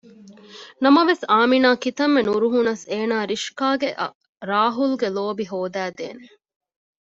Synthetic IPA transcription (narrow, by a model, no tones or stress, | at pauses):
nɐmɐʋesaːminaːkit̪ɐmːenuɾuɦunɐseːnaːɾiʃkaːɡeʔ | ɾaːɦulɡeloːbiɦoːd̪æːd̪ḛːne